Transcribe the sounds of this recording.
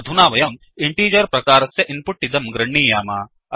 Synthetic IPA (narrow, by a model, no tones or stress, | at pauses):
ɐd̪ʱunaːʋɐjɐm | ɪɳʈiːd͡ʒɐɾpɾɐkaːɾɐsjɐʔɪnpʊʈːid̪ɐmɡɾɐɳːiːjaːmaː | ɐ